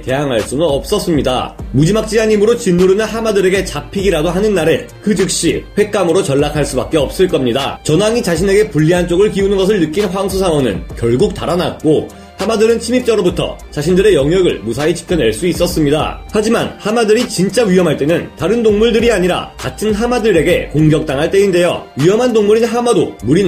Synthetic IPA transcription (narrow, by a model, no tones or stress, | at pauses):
te̞jaŋɦaɭs͈unoʌp̚s͈ʌs͈ɯmɲida̰mud͡ʑimak̚t͡ɕ͈iaɲimɯɾot͡ɕinːuɾɯnɯnhamadɯɾe̞ɡe̞t͡ɕapʰiɡiɾadoɦanɯnːaɾɯ̰ | kɯd͡ʑɯk̚ɕ͈ḭɸwe̞k̚k͈amɯɾot͡ɕʌɭːakʰaɭs͈ubak̚k͈e̞ʌp̚s͈ɯɭk͈ʌmɲida̰t͡ɕʌnaŋit͡ɕaɕʰine̞ɡe̞puʎːiɦant͡ɕ͈oɡɯɭkiunɯnɡʌs̬ʰɯɭnɯk͈inɸwaŋsʰusʰaŋwʌnɯ̰nkjʌɭɡuk̚t͈aɾanat̚k͈o | hamadɯɾɯnt͡ɕʰimip̚t͡ɕ͈aɾobutʰʌ̰t͡ɕaɕʰindɯɾe̞jʌŋjʌɡɯ̰ɭmusʰait͡ɕi̥pʰjʌne̞ɭs͈uis͈ʌs͈ɯmɲida̰had͡ʑimanhamadɯɾit͡ɕint͡ɕ͈aɥiʌmɦaɭt͈e̞nɯntaɾɯndoŋmuɭdɯɾiaɲiɾa̰katʰɯnɦamadɯɾe̞ɡe̞̰koŋɡjʌk̚t͈aŋɦaɭt͈e̞inde̞jo̰ɥiʌmɦandoŋmuɾinɦamado̰muɾi